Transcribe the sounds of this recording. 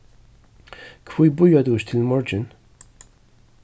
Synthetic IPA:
kfujbʊjːɐd̪uːʃt̪ʰɪlmɔɾd͡ʒɪn

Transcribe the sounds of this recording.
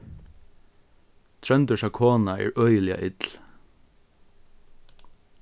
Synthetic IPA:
t̪ʰɹœnd̪əʃɑkʰoːnɑḭːɹʔœʏlɪɑ̰ʔɪt̪l̩

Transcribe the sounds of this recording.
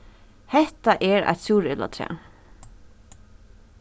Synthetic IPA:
hɛht̪aʔɛɾa̰ɪt̪sjuːɾɪla̰t̪ʰɾɛ̰ː

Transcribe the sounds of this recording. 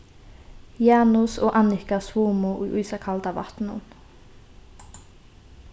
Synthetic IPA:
jaːnusɔːɣʔanɪkaswuːmuʔujʔujsakʰalt̪ava̰ht̪nʊ̰n

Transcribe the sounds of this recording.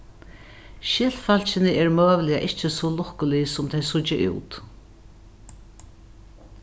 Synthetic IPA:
ʃɪl̥falt͡ʃɪnɪɛːɹmøːʋlɪjaʔɪht͡ʃɪsɔlʊhkʊlɪsʊmt̪ʰɛjsʊt͡ʃːɪʔṵːt̪

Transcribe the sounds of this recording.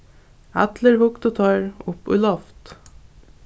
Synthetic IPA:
æ̰t̪ləɾhʊkt̪ot̪ʰœɹʊpʉ̰lɔft̪

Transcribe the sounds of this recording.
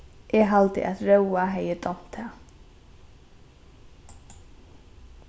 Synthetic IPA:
ʔɛɦalt̪ɪ̰ʔaðɾœwaɦɛjɪt̪ɔm̥t̪a

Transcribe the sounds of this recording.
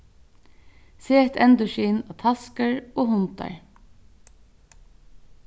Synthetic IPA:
seːɛt̪ɛnd̪ʊʃiːnaːt̪ʰaskəɹoːhʊnt̪a̰ɹ

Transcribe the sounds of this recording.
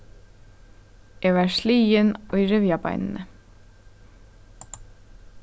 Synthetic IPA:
jɛɣvaɾsliːjɪnujɾɪvjapa̰jnɪnɪ

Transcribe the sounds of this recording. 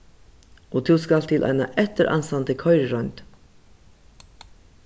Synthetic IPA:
ʔɔt̪ʰuskalt̪ʰɪlʔa̰jna̰ʔɛt̪əɾʔa̰nst̪ant̪əkʰœʏɾəɾœnt̪

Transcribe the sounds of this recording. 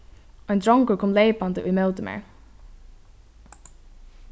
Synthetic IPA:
ɔjnd̪ɹɔŋkəɹkʰɔmleɪpand̪əṵjmɛlt̪əmɛ̰ːɹ

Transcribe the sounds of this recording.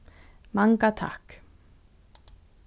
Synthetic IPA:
maŋkat̪ʰa̰hk

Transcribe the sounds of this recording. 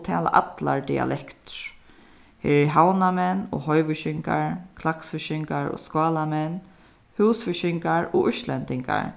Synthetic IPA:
t̪ʰɛ̰ːla̰ʔat̪la̰ɹd̪ḭa̰lʔɛkt̪ | hɛ̰ːɹɛɹɦawnamɛnːɔɦɔjʋʏʃɪŋka̰ɹkʰlaksfɪʃɪŋkaɹɔ̰skɔːlamɛnː | hɛwsfɪʃɪŋkaɹɔʏʃlɛnt̪ɪŋka̰ɹ

